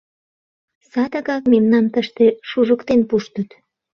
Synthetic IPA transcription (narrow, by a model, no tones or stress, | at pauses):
sɑd̪əɣɑkmemnɑmt̪əʃt̪eʃuʒəkt̪enpuʃt̪ət̪